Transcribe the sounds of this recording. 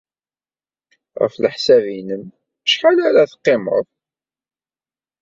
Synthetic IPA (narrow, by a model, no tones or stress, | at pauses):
ʁə̰fləħsævinəm | ʃħalaɾaθqːemə̰ðˤ